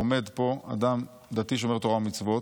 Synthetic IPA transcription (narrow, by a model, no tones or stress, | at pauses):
ome̞d̪po̞a̰d̪am | d̪at̪iʃeo̞me̞ʁt̪oamit͡svo̞t